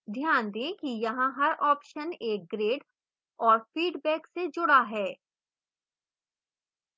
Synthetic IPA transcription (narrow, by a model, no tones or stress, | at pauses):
d̪ʱjaːnd̪ẽːkijɐɦãɦɐɾɔːpʃəneːk̚ɡɾeːɖ | ɔːɾfiːɖbɛːksed͡ʒʊɽaɦɛː